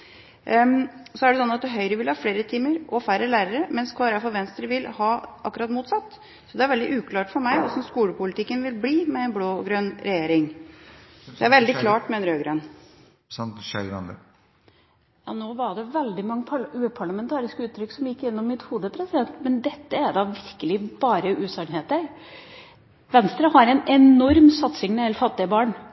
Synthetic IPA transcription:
sɔæɖɛsɔnːɑt̪̚d̪ɛɦœʏɾəʋɪlhɑːfleːɾət̪ʰiːməɾʔɔfæɾəlæːɾəɾəmɛnskʰʋɑːɾəfɔɾʋɛnst̪əɾəʋɪlhɑːʔɑkːʉɾɑt̪muːt̪sɑt̪ː | sɔd̪ɛæɾʋɛld̪ɪʔʉːkʰlɑːʈfɔɾmæɪɔ̰sɔmskuːləpʊlɪt̪ʰɪkːənʋɪlbliːmɛɛːnbloːɡɾøːnɾɛjeːɾɪŋ | d̪ɛæɾʋɛld̪ɪkʰlɑːʈmɛːnəɾøːɡɾøːn | jɑ̰ːnoːʋɑɖɛʋɛld̪ɪmɑŋːəpʰɑʉːəpʰɑɭɑmɛnt̪ʰɑːɾɪskəʉːt̪ʰːɾʏksɔmjɪkːɪnːɔmːɪt̪huːd̪əpʰɾɛsɪd̪ɛnt̪mɛnd̪ɛt̪ːəæd̪ɑːʋɪɾkəlɪbɑːɾəʔʉːsɑnheːt̪æɾ | ʋɛnst̪ɾəhɑɾɛnɛnɔɾmsɑt̪sɪŋmɛɛlfɑt̪ːɪəbɑːɳ

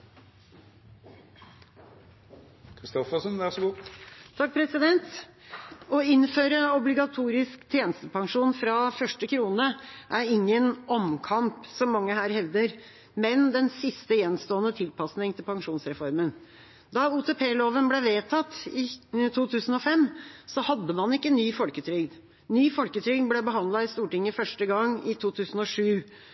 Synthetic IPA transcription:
kʰɾɪst̪ɔfəsənʋæʁsɔɡuːt̪ʰɑk̚pʰɾɛsɪd̪ɛnt̪ | ɔɪnføːɾəɔblɪɡɑt̪ʰuːɾɪskt̪ʰjeːnəst̪əpɑŋʂuːnfɾɑfœʂʈəkʰɾuːnəʔæɾɪŋːənɔmkʰɑmpsɔmːɑŋːəhæːɾhɛʋd̪əɾ | mɛnd̪ɛnsɪst̪əjɛnst̪oːənət̪ʰɪlpɑsnɪŋt̪ʰɪlpɑŋʂuːnsɾɛfɔɾmən | d̪ɑuːt̪ʰɛːpʰeːloːʋənblɛʋeːt̪ʰɑt̪ːɪt̪ʰuːt̪ʰʉːsən̩ɔfɛmːsɔhɑd̪ːəmɑnɪkːənyːfɔlkət̪ʰɾʏɡd̪ | nyːfɔlkət̪ʰɾʏɡ̪blɛbəɦɑnd̪lɑɪst̪uːʈɪŋːəfœʂʈəɡɑŋɪt̪ʰuːt̪ʰʉːsn̩ɔʂʉː

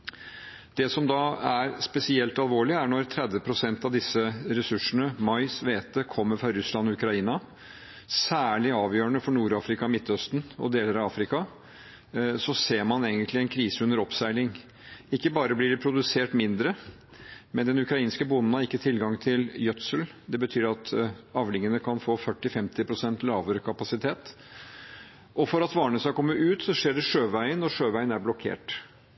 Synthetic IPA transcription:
d̪̥ɛsɔmd̪ɑːæɾspɛsɪɛlt̪ɑlʋoːɭɪæɳɔɾt̪ʰɾɛd̪ʋəpʰɾʊsɛnt̪ɑʋd̪ɪsəɾɛsʉʂəɳəmɑɪsʋeːt̪əkʰɔmːəɾfɾɑɾʉslɑnɔʉkɾɑiːnɑ | sæːɭɪɑːʋjøːəɳəfɔɳuːɾɑːfɾɪkɑmɪt̪ːœst̪nɔ̰d̪eːləɾɑʋɑːfɾɪkɑ | sɔseːɾmɑneːɡənt̪lɪɛnkʰɾiːsəʉnːəɾɔpsæɪlɪŋ | ɪkːəbɑːɾəblɪɖɛpʰɾʊd̪ʉseːʈmɪnd̪ɾə | mɛnd̪ɛnʉkɾɑiːnskəbʊnn̩hɑɾɪkːət̪ʰɪlɡɑŋt̪ʰɪljœt̪səld̪ɛbət̪ʰyːɾɑt̪ɑʋlɪŋənəkʰɑnfoːfœʈːɪfɛmt̪ɪpʰɾʊsɛnt̪lɑːʋəɾəkʰɑpɑsɪt̪ʰeːt̪ | ʔɔfɔɾɑt̪ʋɑːɳəsɑkʰɔmːəʔʉːt̪sɔʂeːɖɛʂøːʋæɪənːɔʂøːʋæɪənæɾblɔkʰḛːʈ

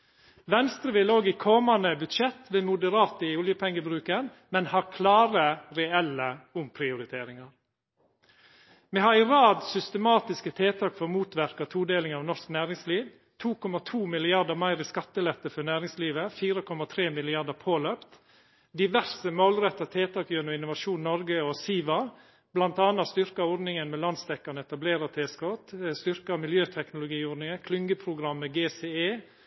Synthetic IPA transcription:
ʋɛnst̪ɾəʋɪːloːɡiːkʰɔmɑnəbʉt̪ʃɛt̪ʋeːmʊd̪əɾɑːt̪əɪʊljəpʰɛŋːəbɾʉːkən | mɛnhɑːɾkʰlɑːɾəɾɛɛlːəʊmpʰɾɪʊɾɪt̪ʰeːɾɪŋɑɾ | meːhɑɾɪɾɑːd̪sʏst̪əmɑːt̪ɪskət̪ʰeːt̪ʰɑːkfɔɾmuːt̪ʋæɾkɑt̪ʰuːd̪eːlɪŋɑːʋnɔsknæːɾɪŋsliːʋ | t̪ʰuːkʰɔmɑt̪ʰuːmɪlɪɑɾd̪əmæɪɾiːskɑt̪ːəlɛt̪ːəfɔɾnæːɾɪŋsliːʋəfiːɾəkʰɔmɑt̪ʰɾeːmɪlɪɑɾd̪əpʰoːløːpt̪ | d̪ɪʋæɾsəmoːlɾɛt̪ːɑt̪ʰeːt̪ʰɑːkjœnʊɪnʊʋɑʃuːnnːɔɾɡəɔsiːʋɑ | b̥lɑnt̪ɑːnɑst̪ʏɾkɑɔɖ̪nɪŋənmɛlɑnsd̪ɛkːɑnəɛt̪ɑbleːɾɑt̪ʰeːskɔt̪st̪ʏɾkɑmɪljøːt̪ʰɛknʊlʊɡiːɔɾɖnɪŋəkʰlʏŋɡəpʰɾʊɡɾɑmːəɡeːseeː

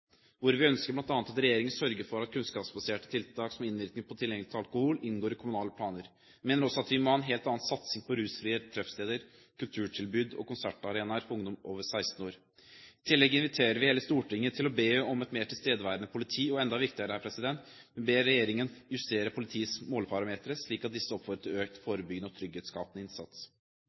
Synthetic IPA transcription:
ʋʊɾʋɪœnskəblɑnt̪ɑːnt̪ɑt̪ɾɛjeːɾɪŋənsœɾɡəfɔɾɑt̪̚kʰʉnskɑːpsbɑseːʈə̥t̪ʰɪlt̪ʰɑːksɔmɪnʋɪɾt̪ɪŋpʰɔt̪ʰɪljɛŋlɪt̪ʰɑlkʊhulɪnɡoːɾɪkʰʊmʉnɑːləpʰlɑːnəɾ | meːnəɾɔsːɔɑt̪ʋɪmɔhɑɛnɦeːlt̪ɑːnsɑt̪sɪŋpʰɔɾʉːsfɾiːət̪ʰɾɛfst̪eːd̪əɾ | kʰʉlt̪ʰʉːʈʰɪlbʉd̪ɔ̰kʊnsæʈɑɾeːnɑɾfʰɔɾʊŋd̪ɔmʔoːʋəsæɪst̪n̩oːɾ | ɪt̪ʰɪlːɛɡəɪnʋɪt̪ʰeːɾəɾʋɪheːləst̪uːʈɪŋːət̪ʰɪlɔbeːɔmɛt̪meːʈʰɪlst̪eːd̪əʋæːɾənəpʰʊlɪt̪ʰiːɔɛnd̪ɑʋɪkt̪ɪəɾəhæɾpʰɾɛsɪd̪ɛnt̪ | mɛnbeːɾːɛjeːɾɪŋənjʉst̪eːɾəpʰʊlɪt̪ʰiːəsmoːlpʰɑɾɑmeːt̪əɾəsɭiːkɑt̪̚d̪ɪsːəɔpfɔɾət̪ʰɪɾøːk̚t̪foːɾəbʏɡd̪əɔt̪ʰɾʏɡːeːt̪skɑ̰ːpənəɪnsɑ̰t̪s

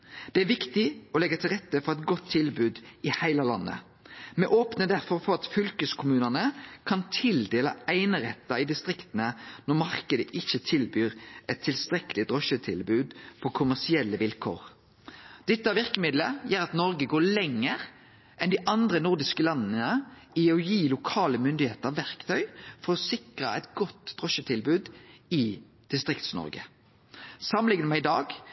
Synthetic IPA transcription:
d̪̥ɛæʋɪkt̪ɪɔlɛɡːɑt̪ʰɪlʁɛt̪ːəfɔʁɛt̪ɡɔt̪ʰːɪlbʉːd̪ɪhæɪlɑlɑnːə̰ | mɛʔoːpnəd̪æʁfɔʁfɔʁɑt̪fʏlkəskʰʊmʉːnənəkʰɑnt̪ʰɪld̪eːlɑ̰æɪnəʁɛt̪ːɑɪd̪ɪst̪ʁɪkt̪ənənɔʁmɑʁkəd̪əʔɪçːət̪ʰɪlbyːɾʔɛt̪ʰːɪlst̪ʁɛkəlɪd̪ʁɔʃət̪ʰɪlbʉːd̪fʰɔkʰʊmæʁsɪɛlːəʋɪlkʰo̰ːʁ | d̪̥ɛt̪ːəɑʋɪʁkəmɪd̪ləjæːɾɑt̪nɔɾɡəɡoːɭɛŋːəʁ | ʔɛnd̪iɪʔɑnd̪ʁənʊʁd̪ɪskəlɑnːə | ɪɔjiːlʊkʰɑːləmʏnd̪ɪheːt̪əɑʋæʁkt̪ʰœʏfɔɾɔsɪkʁəɛɪt̪ɡɔt̪d̪̥ʁɔʃət̪ʰɪlbʉːd̪ɪ | d̪̥ɪst̪ʁɪkt̪snɔ̰ɾɡə | sɑməlɪŋənəmɛɪd̪ɑ̰ːɡ

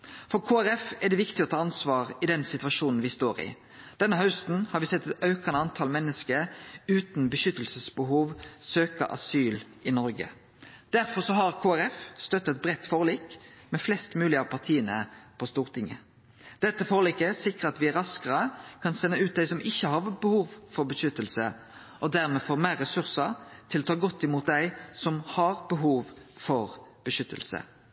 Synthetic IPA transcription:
fɔʁkʰoːæɾɛfɛʁd̪ɛʋɪkt̪ɪɔt̪ʰɑːɑnsʋɑːʁɪd̪ɛnsɪt̪ʉʋɑʃuːnn̩ʋɪst̪oːʁɪ̰ | d̪̥ɛnːəɦɑʉst̪n̩hɑɾʋɪsɛt̪ːɛt̪ɑʉkɑnəɑnt̪ʰɑːlmɛnːəskəɾʉːt̪nbəʃʏt̪ːəlsəsbəɦuːʋsøːkɑ̰ʔɑ̰syːlʔɪnɔɾɡə̰ | d̪̥æɾfɔʁsɔɦɑʁkʰoːæɾɛfst̪œt̪ːət̪̚bʁɛt̪ːfoːʁliːkmɛflɛst̪mʉːlɪɑʋpʰɑʁt̪ʰiːənəpʰɔst̪uːʁt̪ʰɪŋə̰ | d̪̥ɛt̪ːəfoːʁliːkəsɪkʁəɑt̪ʋɪæɾɑskəʁəkʰɑnsɛnːəʉːt̪̚d̪æɪsɔmɪçːəhɑʋbəhuːʋfɔʁbəʃʏt̪ːəlsə | ʔɔd̪æʁmeːfoːʁmæːʁɛsʉʁsət̪ʰɪlɔt̪ʰɑːɡɔt̪ːɪmuːt̪̚d̪æɪsɔmhɑʁbəɦuːʋfɔʁb̥əʃʏt̪ʰːə̰lsə̰

